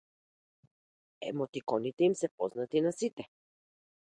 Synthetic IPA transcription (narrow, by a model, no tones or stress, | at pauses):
ɛ̰mɔt̪ikɔnit̪ɛimsɛpɔznat̪inasit̪ɛ